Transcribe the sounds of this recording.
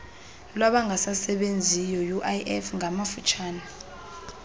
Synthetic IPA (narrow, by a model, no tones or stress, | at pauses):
laɓaŋɡʱasasɛɓend͡zʱijɔjuʔaʔɛfŋʱamafut͡ʃʼʰaːna